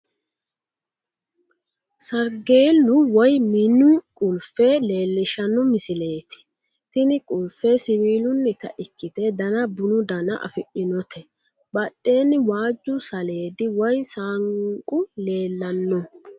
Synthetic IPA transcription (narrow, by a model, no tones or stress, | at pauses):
sɐɾɡe̞ːlːʊwɔjmɪnʊkʼʊlfele̞ːlːɪʃɐnːɔmɪsɪle̞ːt̪ɪ̥ | t̪ɪnɪkʼʊlfesɪwiːlʊnːɪt̪ɐ̰ʔɪkːɪt̪ɛd̪ɐnɐbʊnʊd̪ɐnɐʔɐ̰fɪʔɪnɔt̪ʰɛ | bɐɗʼːeːnɪwaːd͡ʒːʊsɐle̞ːd̪ɪwɔjsaːŋkʼʊle̞ːlːɐnːɔ